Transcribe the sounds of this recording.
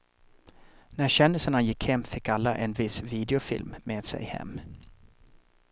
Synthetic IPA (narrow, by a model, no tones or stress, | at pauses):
næɾɕɛnːɪsənajɪkhɛmːfɪkːalːaʔɛnvɪsviːd̪ɪʊfɪ̰lmːeːd̪̥sɛ̰jhɛ̰mː